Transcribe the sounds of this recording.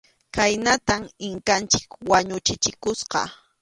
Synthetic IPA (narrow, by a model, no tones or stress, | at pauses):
kajnat̪amɪŋkant͡ʃɪ̥kwaɲʊt͡ʃɪt͡ʃɪkʊsqɑ̰